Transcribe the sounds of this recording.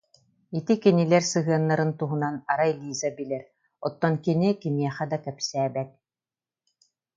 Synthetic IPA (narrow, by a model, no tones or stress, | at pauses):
it̪ikinilɛɾsɯɦɯɐnːaɾɯnt̪uɦunanaɾajlʲiːzabilɛɾ | ɔt̪ːɔnkinikimiɛχɛd̪akɛpsæːbɛt̪̚